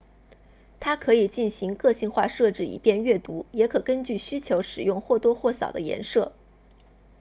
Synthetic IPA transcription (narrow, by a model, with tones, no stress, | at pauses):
t̪ʰa˥kʰɤ˧˥i˨˩t͡ɕi˥˩nɕi˧˥ŋkɤ˥˧ɕi˥˧nxwa˥˧ʂɤ˥˧ʈ͡ʂɻ̩˥˩ḭ˨˩pjɛ˥˧nɥɛ˥˩t̪u˧˥jɛ˧˥kʰɤ˨˩kə˥nt͡ɕy˥˩ɕy˥t͡ɕʰjo˧˥ʊʂɻ̩˨˩jʊ˥˧ŋxwɔ˥˩t̪wɔ˥xwɔ˥˩sɑ̰˨˩ʊd̪ə̰˦jɛ̰˧˥nʂɤ˥˩